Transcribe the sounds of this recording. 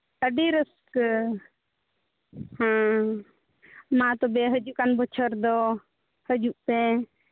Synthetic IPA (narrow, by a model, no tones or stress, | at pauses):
t̪əɖiɾəsk | hã | mãt̪ɔbɛɦəd͡ʒuʔkanbɔt͡ʃʰəɾd̪ɔ | həd͡ʒuʔpɛ̃